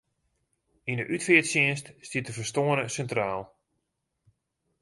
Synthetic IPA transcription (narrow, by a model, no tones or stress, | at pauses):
indəʔytfɪətsɪənststitəfəstoənəsɛntraːlˠ